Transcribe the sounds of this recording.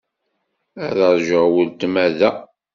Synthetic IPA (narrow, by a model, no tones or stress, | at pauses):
æðɑɾˤʒəwəlt̪mæðæ